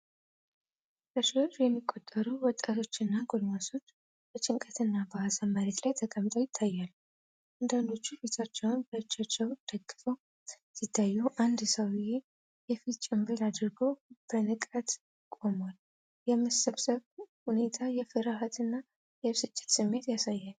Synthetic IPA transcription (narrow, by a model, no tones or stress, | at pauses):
bəʃiəɾjɛmːikʼːo̞t̪ʼːəɾuwɔt̪ʼːat̪ʰo̞t͡ʃːɨnːaɡolmaso̞t͡ʃː | b̥ət͡ʃʼɪŋkʼət̪ʰɨnːabəasəmːaɾet̪lajt̪ʰəkʼəmt̪ʼojɪt̪ʰːajːalːu | ʔand̪and̪o̞t͡ʃːubet̪ʰat͡ʃːɛwnbəɨt͡ʃːat͡ʃːɛwd̪̥əɡʼːɨfəw | sit̪ʰːajːuʔand̪səwbɪje | jɛfit̪t͡ʃʼɪmbɨɾad̪ɾɡo̞b̥ənɨkʼət̪ | kʼo̞mal | jɛməsəβsəβhune̞t̪ʰajɛfɨɾaɦat̪ɨnːa | jɛsɨt͡ʃʼːɪ̥t̪sɨmːe̞t̪jasajːal